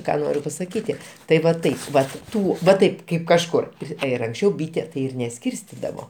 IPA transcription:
ˈkɑː ˈnoːrʲʊ pɐsɐˈkʲiːtʲɪ tɐɪ ʋɐ ˈtɐɪp ˈʋɐt ˈtuː ʋɐ ˈtɐɪp ˈkɐɪp kɐʃˈkʊr ˈpʲrʲɪ ɪr ɐŋksʲˈt͡ʃʲɛʊ ˈbʲiːtʲɛ tɐɪ ˈɪr nʲɛˈsʲkʲiːrʲsʲtʲɪdɐʋoː

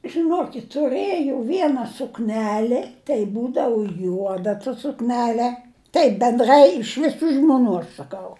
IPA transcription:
ʒʲɪˈnoːkʲɪtʲ tʊˈrɘjɛʊ ˈʋʲiɛnɐ sʊkˈnʲæːlʲɪ tɐɪ ˈbuːdɐʋʊ ˈjuɔdɐ tɐ sʊkˈnʲæːlʲɛ ˈtɐɪp bʲɛnˈdrɐɪ ɪʃ ʋʲɪˈsuː ʒmʊˈnuː ɐʃ sɐˈkɐʊ

